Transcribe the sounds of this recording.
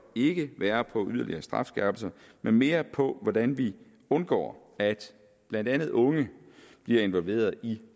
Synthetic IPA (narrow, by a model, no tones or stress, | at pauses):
e̝ɡ̥əʋæːɐpʰɒ̽ʔyð̞ˠɐliɐːsd̥ʁɑ̈fsɡ̥æɐb̥l̩sɐ | menme̝ːɐpʰɒ̽ʋɒd̥ænʋi | ɔ̽nɡ̥ɒ̰ː | æd̥ | b̥lænd̥ænð̞̩ˠɔ̽ŋəb̥liɐe̝nʋɒ̽lʋe̝̰ːɐð̞ˠi